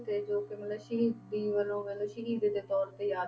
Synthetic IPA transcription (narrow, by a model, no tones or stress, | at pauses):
t̪eːd͡ʒoːkemɐlləʃid̪iːʋəlõːmeləʃiɦid̪ed̪et̪ɔːɾt̪ejaː